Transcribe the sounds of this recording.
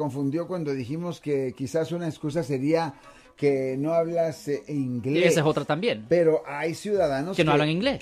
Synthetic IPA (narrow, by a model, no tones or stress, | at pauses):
ko̞ɱfund̪jo̞kwand̪o̞ðiximo̞ske̞kisasunaeskus̬as̬e̞ɾia | ke̞no̞aβlaseeiŋɡleeseso̞t̪ɾat̪ambjenpe̞ɾo̞ʔajsjuðaðanoskenoaβlaŋiŋɡles